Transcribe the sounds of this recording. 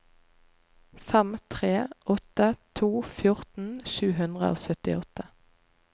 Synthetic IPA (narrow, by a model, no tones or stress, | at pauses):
fɛmt̪ʰʁeːʔɔt̪ət̪ʰuːfjʊʁt̪n̩ʃʉːɦʉnd̪ʁə̰ʔo̰ːsœt̪ɪ̰ɔt̪ə